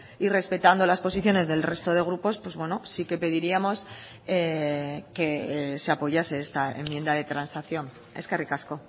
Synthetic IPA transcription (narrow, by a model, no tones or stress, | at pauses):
ire̞spe̞t̪and̪o̞laspo̞siθjo̞ne̞zðe̞lre̞st̪o̞ð̞e̞ɣ̞ɾupo̞spwe̞zβwe̞no̞sike̞pe̞ðiɾiamo̞s | eke̞se̞apo̞ʝase̞est̪aemːje̞nd̪aðe̞t̪ɾansakθjo̞n | e̞skarikasko̞